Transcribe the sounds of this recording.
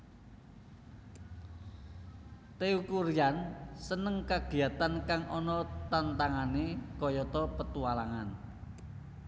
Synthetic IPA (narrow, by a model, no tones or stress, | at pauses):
t̪eukuɾijansənəŋkaɡ̥i̤at̪ankaŋɔnɔt̪ant̪aŋanekɔjɔt̪ɔpət̪ualaŋan